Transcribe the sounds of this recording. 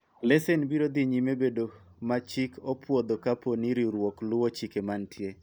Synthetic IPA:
lɛsɛnbiɾod̪iɲimebedo | mat͡ʃikɔpwɔd̪okaponiɾiɾwɔklʊwot͡ʃikemantje

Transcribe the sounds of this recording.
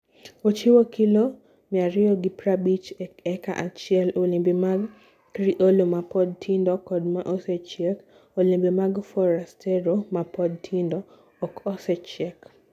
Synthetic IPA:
ot͡ʃɪwokɪlo | mɪaɾɪɔɡipɾabit͡ʃɛka̰ʔat͡ʃɪɛlolimbemaɡ | ɾiʔolomapɔd̚tʰindɔkɔdmaʔosɛt͡ʃjɛk | olimbemaɡfɔɾastʰɛɾomapʰɔd̚tʰindɔː | kɔsɛt͡ʃɛk

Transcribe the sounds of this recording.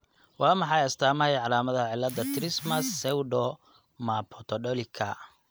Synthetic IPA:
wɑːmɑħɑjɐst̪ʰaːmɐɛjʕɑlaːmɐðɐʕɪlːɐd̪ːɐt̪ʰɾɪsmɐsɛwɖɔ | mapʰɔt̪ʰɔɖɔlɪkʰɐ

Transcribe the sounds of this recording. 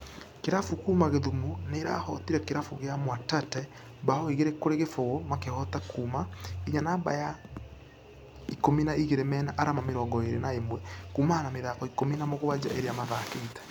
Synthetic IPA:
keɾafukuːmaɣeðumuneɾa̰hɔtiɾɛkeɾafuɣeamwatatɛ | baɔiɣeɾekoɾeɣefoɣomakehɔtakuːmaiɲanaba̰ja | ikominaiɣeɾemɛːnaʔaɾamameɾɔːɡɔeɾenaemwɛkuːmahanameðaːɣɔikominamoɣoβad͡ʒa̰ʔeɾeamaðakeitḁ

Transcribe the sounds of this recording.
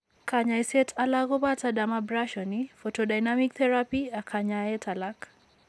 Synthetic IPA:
kaɲaisɛtʰalaɡobatadamabɾaʃɔnifotodajnamikt̪ʰɛɾapiakʰaɲaɛtʰalak

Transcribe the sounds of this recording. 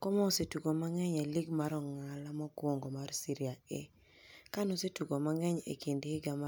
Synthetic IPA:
kɔmɔsetuɡomaŋɛɲeliɡmaɾɔŋalamɔkwoŋɡomarsiɾiaḛ | kanɔsetuɡomaŋɛɲḛkindhɪɡama

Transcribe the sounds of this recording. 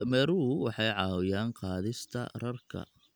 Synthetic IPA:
mɛːɾʊwɑħɑjʕɑːwʊjaːnqɑːðɪst̪ʰɐ̰rɐrkʰɐ̰

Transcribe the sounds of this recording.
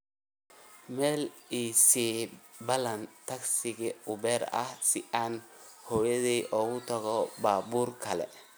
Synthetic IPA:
mɛːliːsibɐlɐnt̪ʰɐksɪɣɪʊbɛːɾɐ̰hsɪʔaːn | hɔːjɐðiːʔɔːɣʊt̪ʰɐɣɔbaːbuːrkʰɐlɛ̰

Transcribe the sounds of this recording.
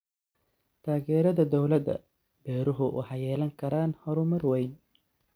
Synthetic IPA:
t̪ʰaːɣɛːɾɐðɐd̪ɔwlɐd̪ɐ̰ | b̥ɛːɾʊɦʊʔʊ̰ħɑjɛːlɐŋkʰɐɾaːnhɔɾʊmɐrwɛjn

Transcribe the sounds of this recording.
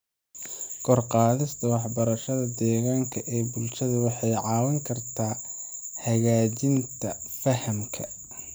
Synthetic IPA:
kʰɔrqɑːðɪst̪ʰɐwɑħbɐɾɐʃɐðɐd̪ɛːɣaːŋkʰɐʔɛːbʊlʃɐðɐwɑħɑjʕɑːwɐŋkʰɐrt̪ʰaːhɐɣaːt͡ʃɪnt̪ʰɐfɐhɐmkʰɐ

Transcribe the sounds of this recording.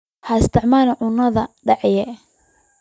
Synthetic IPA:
hɐɪst̪ʰɪʕmaːlʕʊnɐðɐɖɑʕjɛ

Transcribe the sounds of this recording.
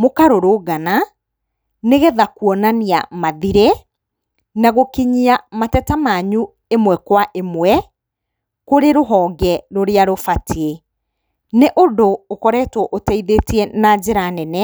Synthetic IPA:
mokaɾoɾoɡana | neɣɛðakuɔnaniamaðiɾe | naɣokiɲiamatɛtamaɲu | emwɛkwaʔemwɛ | koɾeɾoɦɔːɡɛɾoɾeaɾofatʰie | neʔodoːkɔɾɛtwɔʔotɛiðetiɛnad͡ʑeɾanɛnɛ

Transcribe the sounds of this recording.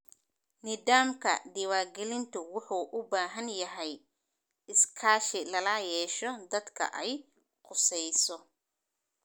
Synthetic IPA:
nɪðaːmkʰɐ̰d̪ɪwaːrɡɛlɪnt̪ʰʊwʊħuːʔʊbaːɦɐnjɐɦɛj | ɪskʰaːʃɪlɐlaːjɛːʃɔd̪ɐd̪kʰɐ̰ʔɛj | qʊsɛjsɔ

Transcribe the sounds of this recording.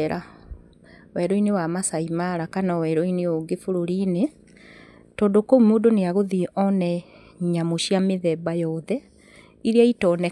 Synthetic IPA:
ɾa | wɛɾɔinewamasaimaɾakanɔwɛɾoineoɡefuɾoɾine | tɔːndokoumoːdoneaɣoðiʔɔnɛ | ɲamoʃiameðɛbajɔðɛ | iɾiaitɔnɛ

